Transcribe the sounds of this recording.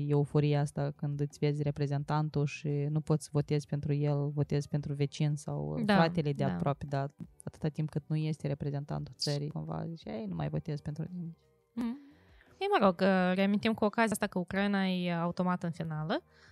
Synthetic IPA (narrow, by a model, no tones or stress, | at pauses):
e̞ufo̞ɾijeast̪akɨnd̪ɨt̪sʲve̞zʲre̞pɾe̞ze̞nt̪ant̪uʃinupo̞t̪sʲvo̞t̪e̞zʲpent̪ɾuje̞lvo̞t̪e̞zpe̞nt̪ɾuve̞t͡ʃinsa̰wd̪faɾat̪eled̪eapɾoaped̪aat̪ɨ̥t̪at̪ːimp̚kɨt̪̚nuje̞st̪eɾe̞pɾe̞ze̞nt̪a̰nt̪ut̪səɾḭjko̰nva̰ziʃia̰ejnumʔa̰jvo̞̰t̪e̞zpe̞nt̪ɾunimi | əjməɾo̞ɡəɾeamint̪imkuokazijast̪akəukɾajnaeaut̪o̞mat̪ɨnfinalə